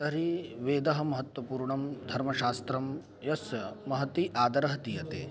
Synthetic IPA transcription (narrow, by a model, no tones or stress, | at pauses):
t̪ɐɾiʋeːd̪ɐɦɐ̆mɐɦɐt̪wɐpuːɾɳɐmd̪ʱɐɾmɐʃaːst̪ɾɐm | jɐsmɐɦɐt̪iʔaːd̪ɐɾɐɦɐt̪ijɐt̪eː